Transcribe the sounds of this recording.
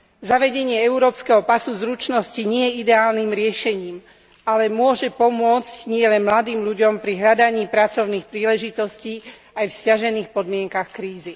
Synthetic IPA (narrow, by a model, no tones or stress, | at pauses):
zaʋɛɟɛɲɪɛɛuɾɔːpskɛɦɔpasuzɾut͡ʃnɔsciɲɪɛjɛid̪ɛaːlnimɾɪɛʃɛɲiːm | alɛmʊɔʒɛpɔmʊɔt͡scɲɪɛlɛnmlad̪iːmʎuɟɔmpɾiɦʎad̪aɲiːpɾat͡sɔʊniːxpɾiːlɛʒit̪ɔsciː | ajfscaʒɛniːxpɔd̪mɪɛŋkaxkɾiːzi